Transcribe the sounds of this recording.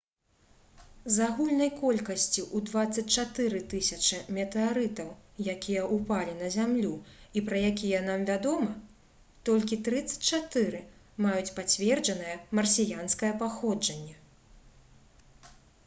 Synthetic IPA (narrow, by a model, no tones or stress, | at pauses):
zaɣulʲnɐjkɔlʲkɐsʲt͡sʲiʔud̪vat̪sːɐt͡sʲt͡ʂat̪ɨɾɨt̪ɨsʲɐt͡ʂɐmʲɛt̪ɛaɾɨt̪ɐwjakʲʰijɐʔupalʲinɐzʲamlʲuipɾɐjakʲijɛnamvʲad̪ɔmɐ | t̪ɔlʲkʲit̪ɾɨt̪sɐ̥t͡sʲt͡ʂat̪ɨɾɨ | majut͡sʲpat͡sʲvʲɛrd͡ʒɐn̪ɐjɐmɐrsʲijanskɐjɐpaxɔd͡ʐɐnʲːɛ